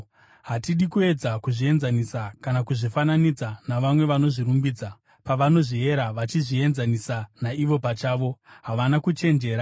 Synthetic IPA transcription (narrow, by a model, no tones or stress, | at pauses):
ɦatiɗikue̞d͡zakuʐie̞nzanisakanakuʐifananid͡zanaʋamwe̞ʋano̞ʐiɾumbiːd͡za | paʋano̞ʐie̞ɾaʋat͡ʃiʐie̞nzanisanaiʋo̞pat͡ʃaːʋo̞ɦaʋanakut͡ʃe̞nd͡ʒe̞ːɾa